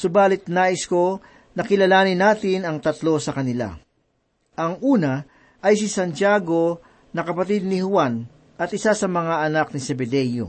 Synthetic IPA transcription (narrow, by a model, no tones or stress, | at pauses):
sʊbaːlɪt̪̚naːʔɪsko̞ | nɐkɪlɐlaːnɪnːaːt̪ɪnɐŋt̪ɐt̪lo̞sɐkɐnɪla̰ | ʔɐŋʔuːnɐ | ʔɐjs̬ɪsɐnt͡ʃaːɡo̞ | nɐkɐpɐt̪id̪̚nɪhʊwan | ɐt̪ʔɪsasɐmɐŋaɐnak̚nɪsɛbɛd̪ɛjo̰